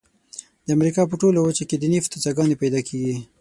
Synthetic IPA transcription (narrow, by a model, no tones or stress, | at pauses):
d̪̥əamɾikɑp̬əʈolawət͡ʃaked̪ənift̪at͡saɡɑnepajd̪ɑkʰeɡi